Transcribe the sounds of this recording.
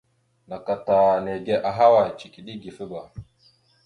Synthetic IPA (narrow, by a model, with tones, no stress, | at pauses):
na˨ka˨ta˨ne˨ɡe˦ʔa˨ɦa˦wa˨t͡ʃi˨ki˨ɗi˦ɡi˨fi˦ba˨